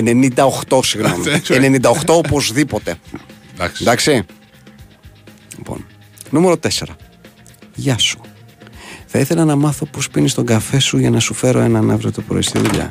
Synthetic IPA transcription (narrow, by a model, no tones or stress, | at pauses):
enenind̪ɐoxt̪o̞siɣnoomiene̞nind̪ɐoxt̪o̞opo̞zðipo̞t̪e̞ | nd̪ɐksi | lipo̰n | nume̞ɾo̞t̪e̞se̞ɾɐ | ʝɐsu̥ | θɐiθe̞lɐnɐmɐθo̞pospinist̪o̞ŋɡɐfe̞suʝɐnɐsufe̞ɾo̞enɐnɐ̰vɾit̪opɾo̞̰ist̪ḭðuʎɐ̰